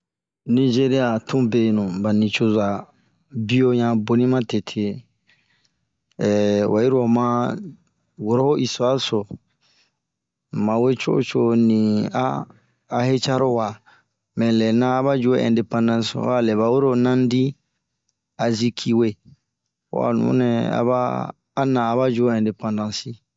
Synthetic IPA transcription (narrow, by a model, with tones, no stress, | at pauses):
nĩ˦d͡ʒe˦ɾi˦a˨tʰũ˦be˨nũ˨ba˨nĩ˨t͡ʃo˦za˨ | bi˦o˦ɲã˨bo˨nĩ˦mã˦te˨tʰe˨ | wʔa˨ji˦ɾo˨mã˦ | wo˨ɾo˦ho˦ʔi˨so˨˦a˦so˨ | mã˨we˦t͡ʃo̰˦o̰˦t͡ʃo˦nĩ˨a̰ː˦˨ | he˦t͡ʃa˦ɾo˦wa˨ | mɛ̃˨lɛ˨nãː˦βa˦d͡ʒu˨o˦ɛ̰̃˨nde˨pã˦ndã˦so̰˨˦a˦lɛ˨βa˨wo˦ɾo˦˨nã˦n˦di˦ | a˨zi˦kʰi˦we˦ | o̰˦a̰˨nṵ̃˨˦nɛ˨a̰˨˦βa̰ː˦ | nãː˨ba˦d͡ʒu˨˦o˦ɛ̃˨nde˨pã˨ndã˦nsi˦